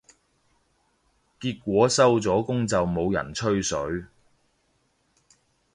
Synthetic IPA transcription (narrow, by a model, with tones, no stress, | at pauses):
kiː˧t̚kʷɔː˨˥sɐ˥wt͡sɔː˨˥kʊ˥ŋt͡sɐ˨wmo˨˧wjɐ̰˨˩nt͡ʃʰɵ˥ɥsɵ˨˥ɥ